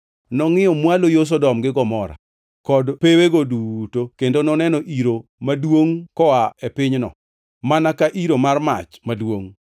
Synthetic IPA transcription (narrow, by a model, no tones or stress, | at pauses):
nɔŋɪjɔmwalojos̬ɔdɔmɡɪɡɔmɔɾa̰ | kɔdpeweɡodutokendonɔnɛnɔʔiɾomadwoŋkɔwaepɪɲnɔ̰ | manakaʔiɾomarma̰t͡ʃmadwoŋ